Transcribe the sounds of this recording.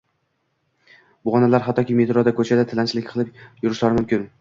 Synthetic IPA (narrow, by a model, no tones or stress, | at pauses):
bʊʁɒnalaɾɦat̪ʰːɒkʲɪmet̪ɾɒd̪akʰɵt͡ʃʰad̪at̪ʰɪlant͡ʃlɪkʲqʰɨlˠɪpjʊɾɪʃlaɾɪmʊmkʲɪn